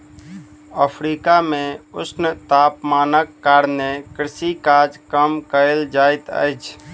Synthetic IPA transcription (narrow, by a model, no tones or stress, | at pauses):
əpʰɾiːkamẽʊsnət̪aːpmaːnəkːaːɾnekɾɪsikaːd͡ʒkəmkəɪld͡ʒaːɪt̪ə̰ɪt͡ʃʰ